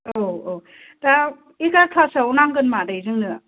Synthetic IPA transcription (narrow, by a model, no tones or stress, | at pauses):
owo | da | ikaɾkʰasawnaŋɡɯnmadajzɯŋnɯ